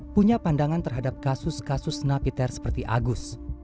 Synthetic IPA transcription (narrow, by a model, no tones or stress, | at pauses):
puɲapandaŋant̪ərɦadap̚kasʊskasʊsnapit̪ɛrsə̥pərt̪iʔa̰ɡʊs